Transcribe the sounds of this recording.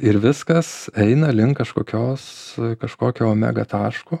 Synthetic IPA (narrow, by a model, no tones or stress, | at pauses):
ɪɾʋʲɪskɐsɛɪnɐlʲɪŋkkɐʃkoːkʲoːskɐʃkoːkʲoːmʲæ̰ːɡɐt̪ɑːʃkoː